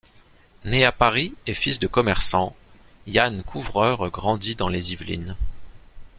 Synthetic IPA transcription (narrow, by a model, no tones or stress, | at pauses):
neapaʁiefisd̪əkɔmɛʁsɑ̃ | jankʰuvʁœʁɡʁɑ̃d̪id̪ɑ̃lezivlḭn